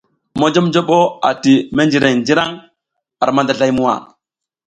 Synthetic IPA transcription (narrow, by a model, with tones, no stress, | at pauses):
mo˦d͡ʒo˦md͡ʒo˦ɓo˦a˨ti˨me˦nd͡ʒi˨ɾe˨ŋd͡ʒi˦ɾa˦ŋ | a˨ɾma˦nda˨ɮa˦jmu˦wa̰˨